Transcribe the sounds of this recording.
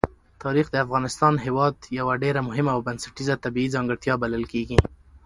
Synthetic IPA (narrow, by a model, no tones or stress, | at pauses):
t̪ɑɾixd̪əafɣɑnɪst̪ɑnɦewɑd̪jawaɖeɾamʊɦɪmaːwbansḁʈizat̪abiizɑŋɡəɽt̪jɑbaləlkeɡi